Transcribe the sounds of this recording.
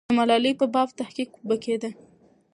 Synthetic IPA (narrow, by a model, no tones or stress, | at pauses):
əmalɑlipəbɑb̚t̪ahqikbəked̪ə